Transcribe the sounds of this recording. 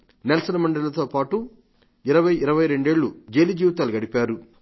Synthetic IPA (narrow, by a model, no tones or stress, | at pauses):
nelɐsɐnɐmɐɳɖɐlɐt̪o̞ːpaːʈu | iɾɐʋɐjiɾɐʋɐjɾe̞ɳɖe̞ːɭːud͡ʒe̞ːlid͡ʒiːʋɐt̪aːluɡɐɽipaːɾu